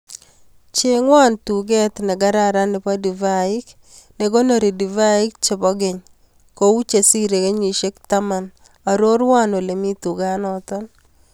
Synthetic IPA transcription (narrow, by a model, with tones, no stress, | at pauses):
t͡ʃe˦ŋwa˦˨ntuɡɛ˦t̪nɛ˨ɡa˦ɾaɾa˦nɪ˨pa˦di˨vaɪ˦k | ne˨ɡo˦no˨ɾi˨di˨va˦ɪ˦k̚t͡ʃɪ˨bɔ˦ɡɪ˨ɲ | ko˨u˦t͡ʃe˨si˦ɾe˨ke˦ɲwi˨ʃe˦kt̪a˦ma˨n | a˨ɾo˦ɾwa˦no˨le˨mi˦tu˨ɡa˦nɔtɔ˦n